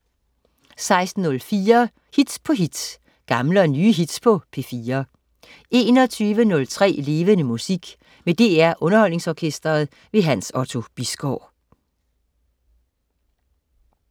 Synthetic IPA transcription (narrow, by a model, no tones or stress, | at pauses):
sɑ̈ɪsd̥n̩ːɔ̽lfiːɐ | hid̥spʰɒ̽ɦid̥s | ɡ̥ɑ̈mləɒnyːɦid̥spʰɒ̽pʰe̝fiːɐ | e̝ːnɒ̽t͡sʰyːʋənɔ̽lt͡sʰʁɛ̰ːle̝ːʋənəmusiɡ̥ | med̥e̝æɐʔɔ̽nɐhɒ̽l̰ne̝ŋsɒːkʰesd̥ɐːð̞̩ˠ | ʋe̝ɦænsɒ̽t͡sʰo̝b̥isɡ̥ɒ̰ː